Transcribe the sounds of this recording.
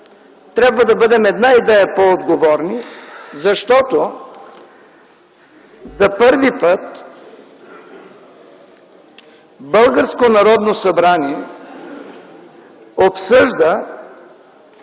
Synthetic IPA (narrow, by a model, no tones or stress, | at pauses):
t̪ɾʲabvəd̪ɐbəd̪ɛmɛd̪naid̪ɛjɐpood̪ɡovɔɾnizɐʃt̪ɔt̪o | zɐpɤɾvipət̪ | bɤlˠɡəɾskonɐɾɔd̪nosɐbɾaniɛ | opsəʒd̪ə